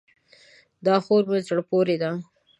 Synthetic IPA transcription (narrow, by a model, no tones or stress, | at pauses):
d̪ɑxoɾmezɽpoɾed̪a